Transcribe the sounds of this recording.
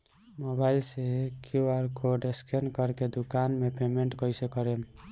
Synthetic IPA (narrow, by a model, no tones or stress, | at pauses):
mobaɪlsekjoaɾkoɖeskʰenkəɾked̪ukanmepemeɳʈkəjsekəɾem